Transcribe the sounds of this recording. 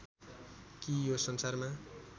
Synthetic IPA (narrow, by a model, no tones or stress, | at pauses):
kijosʌnsarma